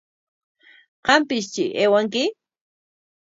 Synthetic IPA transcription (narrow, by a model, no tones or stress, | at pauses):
qɑmpɪst͡ʃɪeːwaŋkɪ